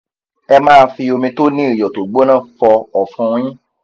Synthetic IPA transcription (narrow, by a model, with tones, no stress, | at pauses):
ɛ˧mãː˦˧fi˧o˧mĩ˧to˦nĩ˦i˦˨jɔ˨to˨ɡ͡bo˦nã˦˨fɔ˧ɔ˨fũ˧˦˧j̃ĩ˦